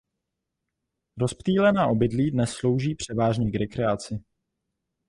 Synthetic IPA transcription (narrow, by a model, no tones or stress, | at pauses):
ɾospt̪iːlɛnaːʔo̞bɪdliːdnɛsːlo̞wʒiːpr̝̥ɛvaːʒɲɛɡɾɛkɾɛat͡sɪ